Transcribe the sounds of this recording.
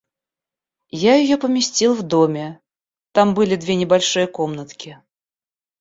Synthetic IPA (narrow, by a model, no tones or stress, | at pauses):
jajɪjopəmʲɪsʲtʲilˠvd̪omʲɪ | t̪ambɨlʲɪd̪vʲenʲɪbalʲʂɨjəkomnət̪kʲɪ